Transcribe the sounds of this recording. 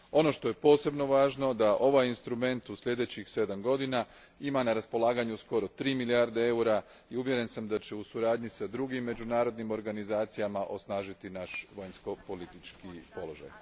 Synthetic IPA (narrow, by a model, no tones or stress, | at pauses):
o̞no̞ʃt̪o̞jepo̞ːse̞bno̞ʋaːʒno̞d̪aʔo̞ʋajinst̪ɾume̞nt̪usʎʲe̞d̪et͡ɕixse̞d̪amɡo̞d̪ina | imanaɾaspo̞lˠaːɡaɲusko̞ɾo̞t̪ɾiːmiliaːɾd̪ee̞uɾa | iuʋje̞ɾe̞nsamd̪at͡ɕe̞usuɾaːd̪ɲisad̪ɾuɡimːe̞d͡ʑunaːɾo̞d̪nimo̞ɾɡanizaːt̪sijamaʔo̞snaːʒit̪inaʃʋajnsko̞po̞lit̪it͡ʃkipo̞lo̞ʒa̰j